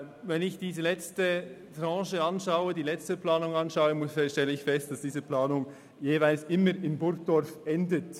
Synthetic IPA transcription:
vɛnɪçd̥iːzəlɛt͡stətʁɑ̃ːʃəɑnʃaʊədiːlɛt͡stəplaːnʊŋɑnʃaʊəmʊʃtɛləɪçfɛst̚d̥asd̥iːzəplaːnʊŋ | jeːvaɪlsʔɪməɾɪmbʊɾk̚d̥ɔɾfʔɛndət

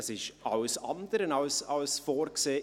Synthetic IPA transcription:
sɪʃʔaʊsɑndəɾənɑʊsɑlsfoːrkseː

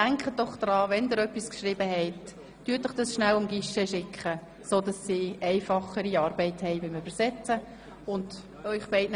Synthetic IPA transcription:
æŋkχəd̥ɔχd̥̪ɾɑːʋɛndɪɾœpːiskʃrɪːbəɦɛɪtː | yətəχd̥ɑsʃnælʊmɡiʃɛʃɪkχə | soːdɑsːiːɛɪfɑχəɾiɑːɾbɛɪthɛɪʋɪməbəɾsɛt͡sə | ʊnd | œʏχb̥ɛɪtn

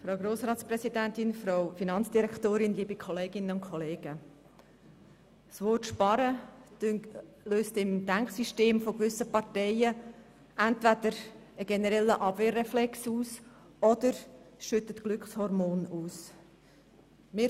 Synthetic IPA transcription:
fɾaʊɡɾoːsɾɑːtsprɛsidæntɪnfɾoʊfinɑnt͡sd̥iɾɛktoːɾɪnliːbikχɔleːɡɪnənʊntkʰɔleːɡ̥ə | svɔtʃpɑɾə̥ | løːst̪ɪmd̥æŋksiʃteːmfoɡʋʏsəpɑrtɛɪə | ɛntvæd̪əɾ | əɡ̥ɛnəɾɛlːəʔɑb̥veːrɛflɛksuːs | ɔd̥̪əɾʃʏt̪ətkɡ̥lʏkχshɔɾmoːnuːs | mɪː

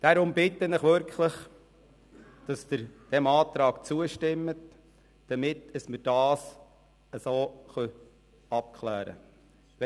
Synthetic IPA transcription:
d̥aɾʊmbɪtːənɪχʋʏɾkχləχ | d̥ɑsd̥̪əɾd̥ɛmɑːt̪ɾɑːkt͡suəʃtɪmːət | d̥ɑmɪtəsməɾd̥ɑːs | əsoːχœ | ɑp̚kχlæːɾə̰

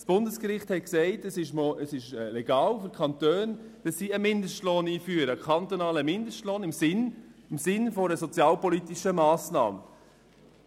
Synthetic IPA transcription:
sb̥ʊndəskɾɪχthɛt̚ksɛɪtəsɪʃməsɪʃlɛɡ̥ɑːlfyɾkʰɑnt̪øːn | d̥ɑsːiːəmɪndəʃtloːniːfyːəɾəkʰɑnt̪ɔnɑːləmɪndəʃtloːnɪmzɪnɪmsɪnfɔɾəsɔt͡sjɑːlpɔlit̪iʃəmɑːsnɑ̰ːmə

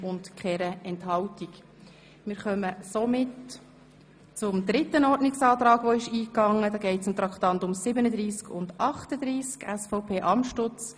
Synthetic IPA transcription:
ʊntkχɛɾəɛnthɑltik | mɪːɾχœməsɔmɪt | t͡sʊmd̪ɾɪt̪ːənɔɾdnɪksɑːt̪ɾɑːɡʋɔɪʃiːkɑŋːəd̪ɑːɡɛɪtsɪmt̪ɾɑkt̪ɑnt̪ʊmsɪbənəd̪ɾiːskʊndɑχtəd̪ɾiːskæsfɔʊpʰeːʔɑmʃtʊt͡s

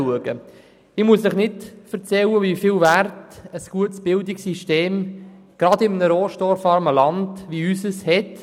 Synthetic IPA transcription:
uəɡə | ɪmuəsəχnɪtfəɾt͡sɛləvifiːlværtəsɡ̥uətsb̥ɪldɪksiʃteːm | ɡ̥ɾɑdɪmənəɾoːʃtɔɾfɑɾməlɑndʋiysəshɛt

